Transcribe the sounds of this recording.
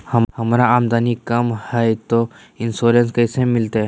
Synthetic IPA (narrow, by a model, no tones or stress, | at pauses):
hɐhɐmɾaaːmd̪aːnikɐmhɛjt̪o | ɪnsoːɾẽnskɐjsẽmɪlt̪e